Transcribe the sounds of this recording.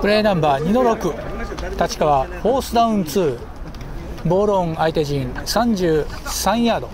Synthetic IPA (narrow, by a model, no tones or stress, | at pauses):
pɯɾe̞ːnãmbaːɲ̟ino̞ɾo̞kɯ̟t̪at͡ɕi̥kaβaho̞ːsɨd̪aɯ̟̃nt͡sɨː | bo̞ːɾõ̞ŋait̪e̞ʑĩnsãɲ̟d͡ʑɨːsãɰ̃jaːd̪o̞̰